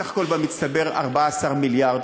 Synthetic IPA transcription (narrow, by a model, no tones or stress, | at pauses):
aχko̞lbamit͡st̪abe̞ʁa̰ʁbaːsaʁmiljaʁd̪